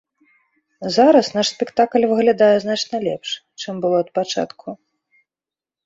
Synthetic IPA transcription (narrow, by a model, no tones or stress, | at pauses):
zaɾɐsnaʂsʲpʲɛkt̪aklʲvɨɣlʲad̪ajɛznat͡ʂnɐlʲɛ̰pʂ | t͡ʂɨmbɨlˠɔɐt̪̚pat͡ʂa̰t̪kʰu